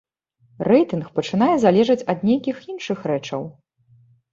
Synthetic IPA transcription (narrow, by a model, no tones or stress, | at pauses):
rɛjt̪ɨnxpɐt͡ʂɨn̪ajɛzalʲɛʐɐt͡sʲɐd̪̚nʲejkʲixinʂɨxɾɛt͡ʂɐ̰w